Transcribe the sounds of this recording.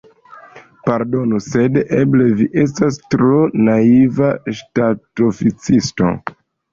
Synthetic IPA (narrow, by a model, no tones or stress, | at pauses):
paɾdo̞nuse̞deble̞viʔe̞s̬tastɾo̞naivaʃtatofit͡sisto̞̰